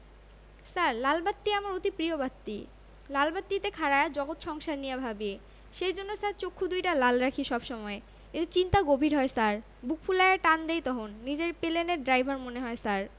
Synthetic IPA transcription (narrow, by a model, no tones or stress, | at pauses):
saɾlalbat̪ːiamaɾot̪ipɾiobat̪ːḭ | lalbat̪ːit̪ekʰaɾaead͡ʑɔɡot̪ʃɔŋʃaɾnijabʱabie | ʃejd͡ʑonːosaɾt͡ɕokʰːud̪ujʈalalɾakʰiʃɔbʃɔmɔe | et̪et͡ɕint̪aɡobʱiɾɦɔesaɾ | buk̚ʰfʰulajaɾʈand̪ejt̪ɔɦonːid͡ʑeɾpeleneɾɖɾajbʱaɾmoneɦɔesaɾ